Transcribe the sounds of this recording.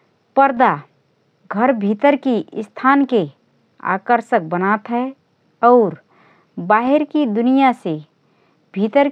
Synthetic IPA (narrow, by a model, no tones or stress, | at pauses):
pəɾd̪a | ɡʱəɾbʱiːt̪əɾkiʔst̪ʰaːnke | a̰ːkəɾʃək̚bənaːt̪ɦɛ | ɔːɾ | baːɦeɾkid̪ʊnijase | bʱiːt̪əɾ